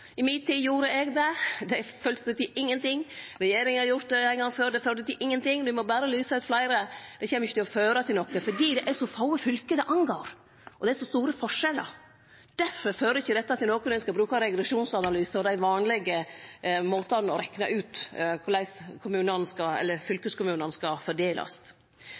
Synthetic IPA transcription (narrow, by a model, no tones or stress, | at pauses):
ɪmɪːt̪t̪ʰːiːjuːɾəɛɡd̪ɛd̪ɛføːlsət̪ʰɪʔɪŋːənt̪ɪŋːɾɛjeːɾɪŋhɑɾjʊɾt̪̚d̪ɛæɪɡɑføːɾd̪ɛføːɾd̪ət̪ɪʔɪŋːənt̪ɪŋːd̪ɪmɔbæːɾəlyːsɑʉːt̪flæɪɾəd̪̥ɛçɛːməjʏçːət̪ɪɔføːɾət̪ʰɪlɔkːəfɔɖiːd̪ɛʔæɾʂɔfɑʊəfʏlkəd̪ɛʔɑŋɡoːɾ | ʔɔd̪ɛæɾʂɔst̪uːɾəfɔʂɛlːə̰ɾ | d̪̥æɾfɔɾføːɾəɪçːəd̪ɛt̪ːɑt̪ʰɪlnɔkənɛɪskɑbɾʉːkɑɾɛɡɾɛʂuːnsɑnɑlyːsfɔɾd̪æɪʋɑːnlɛɡəmoːt̪ɑnɔɾɛknɑʔʉːt̪kʰʊlæɪskʰʊmʉːnənskɑɛ̰lːəɾfʏlkəskʊmʉːnənskɑfɔɖeːlʔɑ̰s